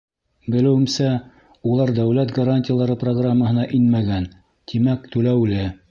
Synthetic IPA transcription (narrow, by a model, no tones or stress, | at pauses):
bɘ̆lɘ̆wɘ̆msæ | ulˠɑɾd̪æwlæt̪ɡɐɾanʲtʲɪjalˠɑɾɤproɡramːəɦɤ̆nɑʔinmæɡæn | t̪ʰimækt̪ʉlæwlɘ